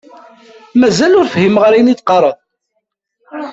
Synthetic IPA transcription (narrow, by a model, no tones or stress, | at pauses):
mæzælʊɾfəhimʁəɾijnit͡s̪qɑɾˤəðˤ